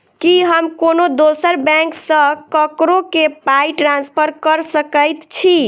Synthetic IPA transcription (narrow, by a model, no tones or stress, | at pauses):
kiɦəmkonod̪osəɾbɛ̃ŋksə̃kəkɾokepajʈɾanspʰəɾkəɾsəkəjt̪t͡ʃʰi